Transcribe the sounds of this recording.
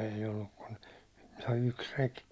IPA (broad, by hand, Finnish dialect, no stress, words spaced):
eij olːuk kun toi yks rek